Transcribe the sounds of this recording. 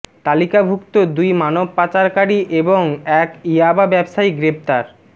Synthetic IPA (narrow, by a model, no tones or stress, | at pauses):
t̪alikabʱukt̪od̪ujmanob̚pat͡ɕaɾkaɽiʔeboŋɛkiababɛbʃaiɡɾept̪aɾ